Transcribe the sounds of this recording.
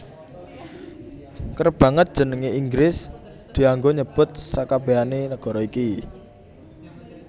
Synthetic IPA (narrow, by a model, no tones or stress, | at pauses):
kərb̥ä̤ŋət̪̚d̥ʒ̥ə̤nəŋeiŋɡɾɪs | d̪̥i̤aŋɡoɲəb̥ʊ̤t̪̚sakab̥eanenəɡ̥ɔ̤ɾɔiki